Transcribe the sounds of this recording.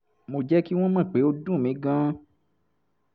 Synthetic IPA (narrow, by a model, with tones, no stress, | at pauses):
mo˨d͡ʒɛ˦ki˦w̃ɔ̃˦mã˦˨k͡pe˨˦o˦dũ˦˨mĩ˨˦ɡã˦